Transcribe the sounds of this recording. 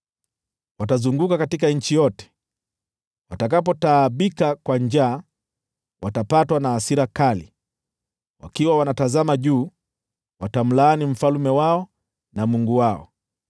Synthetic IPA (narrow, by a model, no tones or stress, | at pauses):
watazuŋɡukakatik̬aɲ̩t͡ʃijɔtɛ̥ | watakapɔtaːɓikakwand͡ʒaː | wʔatapatwanaːsiɾakalḭ | wʔa̰kiwawanatazamaʄuː | watam̩laːnim̩falumɛwaɔ | namuŋɡuwaɔ̰